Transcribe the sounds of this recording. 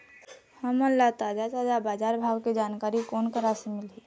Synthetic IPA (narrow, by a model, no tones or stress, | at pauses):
həməlːat̪aːd͡ʒat̪aːd͡ʒabaːd͡ʒaːɾbʱaːwked͡ʒaːnkaːɾikoːnkəɾasemɪlɦiː